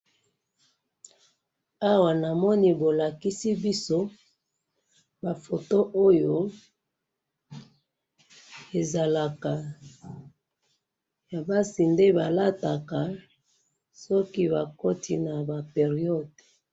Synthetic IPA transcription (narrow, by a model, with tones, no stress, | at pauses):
a˦wa˨na˨mɔ˦ni˦bo˨la˨ki˦si˦bi˦so˦ | ba˨fo˨to˦ʔo˦jo˨ | e˨za˨la˨ka˨ | ja˨ba˦si˨nde˦ba˨la˦ta˨ka˨ | sɔ˦ki˦ba˨ko˦ti˨na˨ba˨pe˨ʁi˦ɔ˦˨d